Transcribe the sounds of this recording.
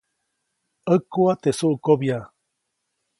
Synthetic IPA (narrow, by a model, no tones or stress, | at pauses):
əkuat̪esuʔukobja